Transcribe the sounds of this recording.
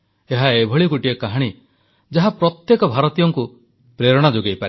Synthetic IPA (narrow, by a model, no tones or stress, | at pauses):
eɦaebʱɔɭikuʈiekaɦaɽ̃i | d͡ʒaɦapɾɔt̪jekɔbʱaɾɔt̪ijɔŋku | pɾeɾɔɽ̃ad͡ʒoɡejpaɾi